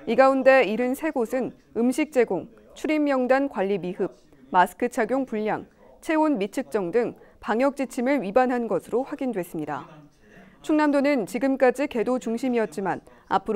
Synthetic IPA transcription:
iɡaunde̞iɾɯnsʰe̞ɡosʰɯn | ɯmɕʰik̚t͡ɕ͈e̞ɡoŋ | t͡ɕʰuɾimːjʌŋdankwaʎːimiɦɯb̚ | masʰɯ̥kʰɯt͡ɕʰaɡjoŋpuʎːa̰ŋ | t͡ɕʰe̞onmit͡ɕʰɯk̚t͡ɕ͈ʌŋdɯŋpaŋjʌk̚t͡ɕ͈it͡ɕʰimɯɾɥibanɦanɡʌsʰɯɾoɸwaɡindwe̞s͈ɯmɲida̰ | t͡ɕʰuŋnamdonɯnt͡ɕiɡɯmk͈ad͡ʑike̞dot͡ɕuŋɕʰimiʌt̚t͡ɕ͈ima̰n | a̰pʰɯɾ

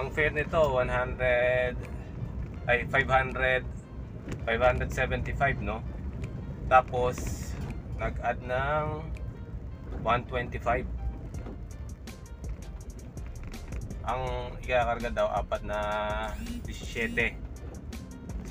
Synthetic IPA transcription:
ʔɐŋfɛɾnɪt̪o̞wanɦand̪ɾɛd̪ | ʔɐjfajvhand̪ɾɛd̪̚ | fajvhand̪ɾɛd̪sɛvɛnt̪ɪfajbno̞ | t̪aːpo̞s | nɐɡʔad̪̚nɐŋ | want̪wɛnt̪ɪfajb̚ | ʔɐŋɪkaːkɐɾɡad̪awʔa̰ːpɐt̪̚nɐ | d̪ɪsɛːt̪ɛ

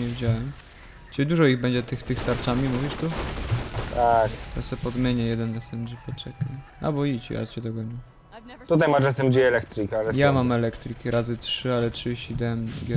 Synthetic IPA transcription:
ɲɛvʲid͡ʑawɛm | t͡ʃɨd̪uʐɔiɣbɛɲd͡ʑɛt̪ɘxt̪ɘxst̪aɾt͡ʂamʲimuvʲiʂt̪u | t̪ʰakt̪ɔsɛpɔd̪mʲjeɲɛjɛd̪ɛnasɛmd͡ʒipɔt͡ʂɛkaj | a̰bɔit͡ɕḭja̰t͡ɕɛd̪ɔɡɔɲi | t̪ut̪ajmaʐɛsɛmbd͡ʒiɛlɛk̚t̪ɾɨkalɛjamamɛlɛkt̪ɾɘkʲiɾazɘtʂɘalɛtʂɕid̪ɛmɡʲɛ

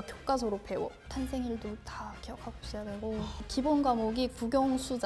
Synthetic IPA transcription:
kjok͈as̬ʰoɾopʰe̞wʌtʰansʰeŋiɭdotakijʌkʰakoɕ͈ijadwe̞ɡokibonɡamoɡipuɡʲjʌŋsʰud͡ʑ

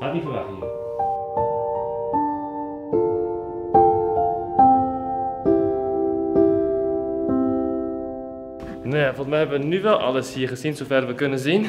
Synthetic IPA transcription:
laːt̚mifəʋaxi | njafɔlˠəsmɛjɦɛbəʋənyʋɛlˠʔɑ̰ləshiːəɹχəzinzofɛrʋəkɵnənzin

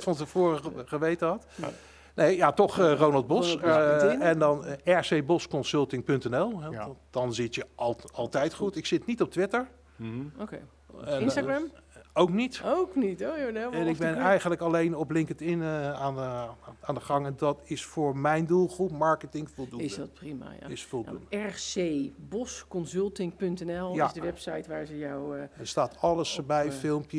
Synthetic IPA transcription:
tfɑntəvʊːrəχəʋejtəɦɑt | nʔejjatɔχərownɑlˠd̚bɔs | ɛndɑnɛɹsejbɔskɔnsɵlˠtɪŋpɵntɛnɛlˠɛd̥ɑnzɪtjəɑlˠtɛjtχutɪksɪtnitɔp̚tʋɪtəɹ | oke | aɡɹɛmowknitowknitojodɛɛnɪɡɡ̚bɛnɛjχənləkɑlejnɔplɪŋkətɪnaːnaːndəχɑŋɛndɑtɪsfʊːɹmɛjndulˠχrupmɑɹkətɪŋfɔlˠduɪsddtprima̰j̰ɪsfɔlˠṵndəɛɹsebɔskɔnzɵlˠtɪŋpɵntɛnɛlˠjaɪzdəʋɛpsajtʋaːɹzəjɔwəstaːtɑləsbɛjfɪlˠmpjə

